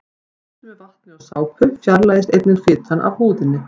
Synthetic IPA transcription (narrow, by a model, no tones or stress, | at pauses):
t̪mɛval̥t̪nɪaɣsaːwpʰʏɾfjaɾlaːjɪst̪ejt̪nɪt̪fɪːt̪anʔa̰vhuːðɪnːɪ